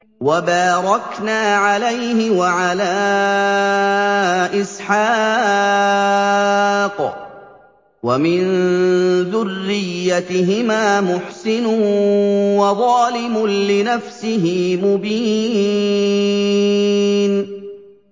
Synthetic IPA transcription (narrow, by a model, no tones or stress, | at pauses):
wabaːɾˤɑknaːʕalajhɪwaʕalaː | ʔɪsħaː | q | wamɪn | ðʊrːɪjːat̪ɪɦɪmaːmʊħsɪnʊ | wɑðˤɑːlɪmʊnlɪnafsɪɦɪmʊbiː | n